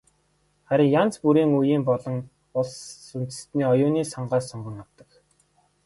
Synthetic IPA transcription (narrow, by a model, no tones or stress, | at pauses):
χæɾʲɪ̆ŋjant͡spuɾiːŋujiːmpɔɮɞ̆ŋ | ʊɮsːun̥t͡sɘ̥̆st̪niːɔjʊːniːsɔɴɢaːsɔɴɢə̆ŋawt̪ə̆k